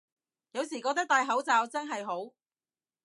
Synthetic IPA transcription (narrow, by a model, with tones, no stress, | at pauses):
jɐ˨˧wsiː˨˩kɔː˧˥t̪ɪ˥k̚t̪aː˨˧jɦɐ˨˥wt͡saː˨wt͡sɐ˥nɦɐ˨jɦo˨˥w